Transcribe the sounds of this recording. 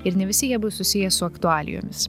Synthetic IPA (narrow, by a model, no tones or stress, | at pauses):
ɪɾnʲɛʋʲɪsʲɪjiɛbʊsʊsʲɪjɛsʊɐkt̪ʊɑːlʲɪ̰jo̰ːmʲɪs